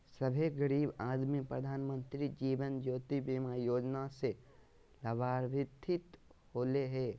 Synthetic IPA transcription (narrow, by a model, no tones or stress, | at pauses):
səbʱeɡəɾiːbaːd̪mipɾəd̪ʱaːnmə̃nt̪ɾid͡ʒiːʋənd͡ʒoːt̪ibiːmaːjoːd͡ʒnase | lɐbaːɾʋɪt̪ʰːɪt̪hoːleɦɛː